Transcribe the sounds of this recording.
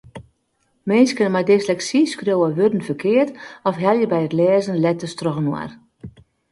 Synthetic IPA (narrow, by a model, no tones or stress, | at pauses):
mɛnskənmadɪslɛksiskrjowəʋødən̩fərkʰɪərtɔfɦɛlˠjəbɛjətlɛːzənlɛtəstrɔɣənwa̰r